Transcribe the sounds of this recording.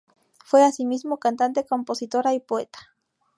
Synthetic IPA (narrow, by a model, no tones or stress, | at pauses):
fweasimizmokant̪ant̪̬ekomposit̪oɾaipoet̪ḁ